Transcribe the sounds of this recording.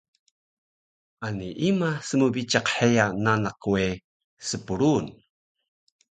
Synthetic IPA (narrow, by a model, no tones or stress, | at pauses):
ʔaniʔimasəmubit͡ʃaqħejananaque | səpuɾun